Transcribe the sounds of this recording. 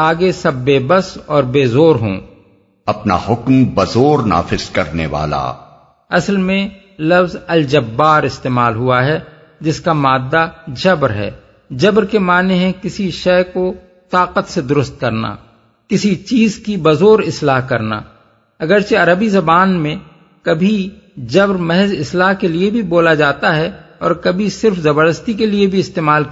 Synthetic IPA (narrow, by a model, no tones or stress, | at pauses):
aːɡesɐbːeːbəsɔːɾbeːzoːɾɦõ̰ː | ɐpna̰hʊkmbɐzoːɾna̰ːfɪz̥kɐɾnḛʋa̰ːla̰ː | ɐslmẽ | lɐfzɐld͡ʒɐbːaːɾɪst̪eːmaːlɦʊaɦɛ | d͡ʒɪskamaːd̪ːad͡ʒɐbɾɦɛ̰ː | d͡ʒɐbɾkemaːneɦẽkɪsiʃɛːko | t̪aːqət̪sed̪ʊɾʊst̪̚kɐɾna̰ː | kɪsit͡ʃiːzkibɐzoːɾɪslaːɦkɐɾna̰ː | ɐɡəɾt͡ʃeɐɾəbizɐbaːnmẽ | kɐbʱi | d͡ʒɐbɾmɛɦɛzɪslaːɦkeliebʱiboːlad͡ʒaːt̪aɦɛ | ɔ̰ːɾkɐbʱisɪɾfzɐbəɾd̪əst̪ikeliebʱiɪst̪eːmaːl